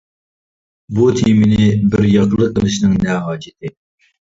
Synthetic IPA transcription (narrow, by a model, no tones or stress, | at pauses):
but̪ʰimɪnɪbɪɾjɑqəlˠəqːəlˠɨʃnɨŋnɛɦɑːd͡ʒɪt̪ʰɪ